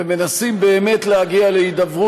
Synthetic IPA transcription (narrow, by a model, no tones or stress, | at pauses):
eme̞nasimbe̞ːme̞tlehaɡialeid̪avʁu